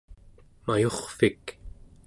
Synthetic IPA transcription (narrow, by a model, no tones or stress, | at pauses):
majo̞χfik